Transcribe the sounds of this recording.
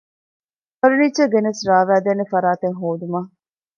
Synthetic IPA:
pɐɾunit͡ʃːɐɡenesɾaːʋæːd̪eːnefɐɾaːt̪eŋɦoːd̪umɐː

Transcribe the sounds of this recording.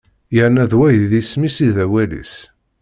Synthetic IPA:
jəɾnæðwæjðismisiðæwælḭs

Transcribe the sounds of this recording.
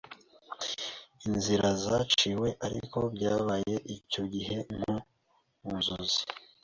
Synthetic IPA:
inziɾazat͡ʃiwe̞ʔaɾḭko̞bɟaːβaje̞ʔico̞ɟiɦe̞n̥hu | unzuzi̥

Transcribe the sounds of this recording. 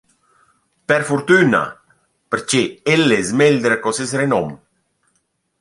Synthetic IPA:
pɛɾfuɾt̪yna̰ | pəɾt͡ʃeelːesmeld̪ɾakɔsesrenɔm

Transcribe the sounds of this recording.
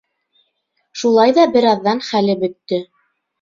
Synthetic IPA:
ʃulˠɑjðɑbɘ̆ɾɑðːɑnχælɘbɵ̆t̪ːɵ

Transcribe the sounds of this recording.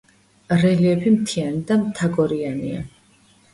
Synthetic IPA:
ɾɛliɛpʰimt̪ʰianid̪amt̪ʰaɡɔɾianḭa̰

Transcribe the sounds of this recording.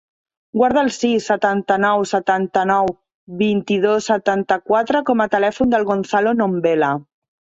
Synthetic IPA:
ɡwaɾð̞əːlˠsisːət̪ant̪ənɔwsət̪ant̪ənɔw | βint̪ið̞osːət̪ant̪əkwat̪ɾəkɔmat̪əlɛfund̪əlˠɣonθalonombela

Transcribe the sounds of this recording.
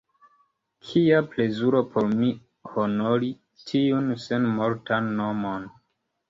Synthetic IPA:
kʰiaple̞zuɾo̞pʰo̞ɾmi | honoɾi | tʰiunsenmoɾtanːomon

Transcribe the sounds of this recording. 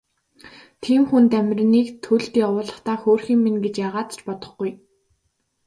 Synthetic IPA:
t̪ʰiːmxunt̪æmʲr̆ʲniːkt̪ʰɵɮt̪jawʊːɮə̆χt̪aːxoːrxiːŋmenɡet͡ɕjaːʁaːt̪t͡ɕpɔt̪ɞ̆χɡuj

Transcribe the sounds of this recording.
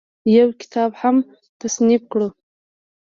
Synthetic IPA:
jawkɪ̥t̪ʰɑbham | t̪asnib̚kɽu

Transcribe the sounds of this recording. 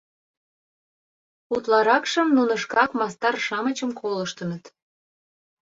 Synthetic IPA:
ut̪lɑɾɑkʃəmnunəʃkɑkmɑst̪ɑrʃɑmət͡ɕəmkʰoləʃt̪ə̆nət̪

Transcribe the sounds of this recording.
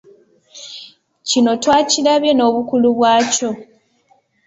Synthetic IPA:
cino̞twaːcilaβje̞no̞ːβukuluβwaːco̞

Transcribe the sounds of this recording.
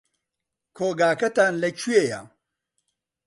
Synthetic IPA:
kʰoːɡaːkɐt̪aːnlɐt͡ɕʰujeja̰ː

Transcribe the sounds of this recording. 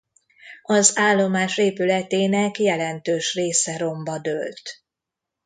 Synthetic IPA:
ɒzaːlːo̞maːʃeːpylɛt̪eːnɛkjɛlɛnt̪øːʃreːsɛɾo̞mbɒd̪ølt̪

